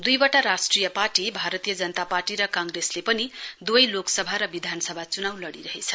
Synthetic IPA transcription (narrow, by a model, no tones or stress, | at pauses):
d̪ujbʌʈaɾasʈrijʌparʈibʱaɾʌt̪ijʌd͡zʌnʌt̪aparʈiɾʌkãŋɡreslepʌnid̪uʌjloksʌbʱaɾʌbid̪ʱansʌbʱat͡sunawlʌɽiɾʌɦet͡sʰʌ̥